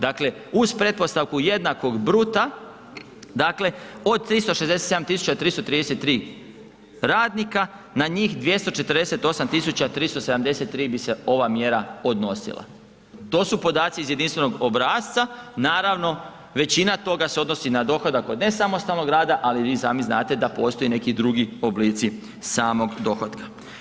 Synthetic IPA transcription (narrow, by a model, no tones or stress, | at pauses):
d̪akle̞uz̥pɾe̞d̪po̞st̪aʋkuje̞d̪nako̞ɡbɾut̪a | d̪akle̞o̞d̪̚t̪ːɾist̪o̞ʃezd̪eset̪seamt̪isu̥t͡ɕat̪ɾiːst̪ot̪ɾid̪eset̪ːɾiː | ɾaːd̪nika | naɲiːxd̪ʋje̞st̪o̞t͡ʃe̞t̪əɾd̪e̞se̞t̪o̞samt̪isut͡ɕat̪ɾiːst̪o̞seamd̪e̞se̞t̪ːɾiːbise̞o̞ʋamje̞ɾao̞d̪no̞sḭlˠa̰ | t̪o̞ːsupo̞d̪aːt̪siːzje̞d̪inst̪ʋe̞no̞ɡo̞bɾaːst̪sanaːɾaʋno̞ | ʋe̞t͡ɕinat̪o̞ɡaseo̞d̪no̞sinad̪o̞xo̞d̪ako̞d̪ne̞samost̪alˠno̞ɡɾaːd̪aʔaliʋiːsaːmiznaːt̪e̞d̪apo̞ːst̪o̞jine̞kid̪ɾuɡio̞bliːt̪si | saːmo̞ɡd̪o̞xod̪kḁ